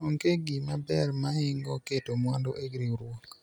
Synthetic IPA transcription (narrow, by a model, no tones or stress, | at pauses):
oŋkeɡimabɛrmahɪŋɡɔketomwɔndɔʔeɡɾiɾwɔk